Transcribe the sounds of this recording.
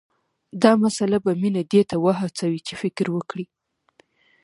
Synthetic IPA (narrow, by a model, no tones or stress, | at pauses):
d̪ɑmasalabaminad̪et̪awəɦat͡sawit͡ʃefɪkɾwəkɽi